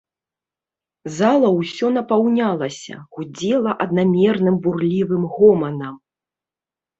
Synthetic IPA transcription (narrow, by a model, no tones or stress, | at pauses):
zalˠɐwsʲɔn̪ɐpawnʲalˠɐsʲɐ̰ɣud͡zʲɛlˠɐʔɐd̪namʲɛrnɨmburlʲivɨmɣɔmɐnɐm